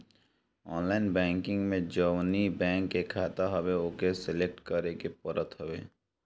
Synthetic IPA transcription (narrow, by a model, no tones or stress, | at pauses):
ɔːnlaːɪnbɛ̃ːŋkɪ̃ŋɡmẽd͡ʒəwnibɛ̃ːŋkːekʰaːt̪aɦɐweokesɪlek̚ʈkəɾekepəɾʔət̪ɦəwḛː